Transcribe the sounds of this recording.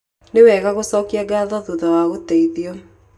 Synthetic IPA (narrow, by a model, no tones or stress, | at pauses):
newɛːɣaɣosɔːkiaɡaːðɔðuðawaɣotɛiðiɔ